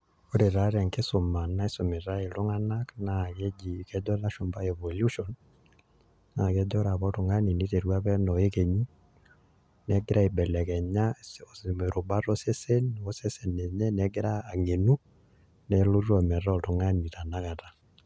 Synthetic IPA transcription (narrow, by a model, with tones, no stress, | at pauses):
o˦ɾe˨ɾa˦ɾɛ˨ŋkɪ˦sʊ˨ma˨na˦e˦sʊ˨mɪ˨ɾa˦e˨lʊ˦ŋa˦na˦kna˨ke˦d͡ʒi˨kɛ˦d͡ʒɔ˦ɾa˦ʃʊ˨mba˦ɛ˨vo˨lju˦ʃɔ˨n | na˨kɛ˦d͡ʒɔ˦ɾa˨βɔ˦tʊ˨ŋa˦ni˨ni˦te˨ɾwa˦pɛ˦nɔ˨e˦ke˨ɲi˦ | nɛ˨˦ɡɪ˦ɾa˦e˨bɛ˨lɛ˨kɛ˨ɲa˦ɔ˨sme˨ɾʊ˨ba˦ɾɔ˦sɛ˦se˦nɔ˦sɛ˦sɛ˨nɛ˨ɲɛ˦nɛ˨˦ɡɪ˦ɾa˦a˨ŋe˨nu˦ | nɛ˨lʊ˦ɾɔ˨mɛ˨ɾa˦ɔ˨tʊ˨ŋa˦ni˨ta˨na˦ka˨ta˦